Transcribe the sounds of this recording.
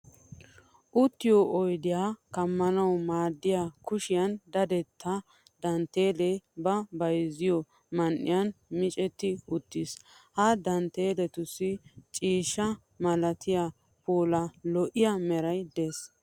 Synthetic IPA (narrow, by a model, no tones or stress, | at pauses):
ʔʊt̪ːɪjoʔɔjd̪ɪjakɐmːɐnɐwmaːd̪ːɪjakʊʃɪjɐnd̪ɐd̪ɛt̪ʰːɐ | d̪ɐnt̪ːe̞ːlɛbɐbɐjzɪjɔ | mɐnʔɪ̰jɐnmɪt͡ʃʼɛt̪ːɪʊt̪ːɪshɐd̪ɐnt̪eːlɛt̪ʊsɪt͡ʃʼiːʃɐ | mɐlɐt̪ʰɪja | poːlɐlɔʔɪjamɛɾɐjd̪eːs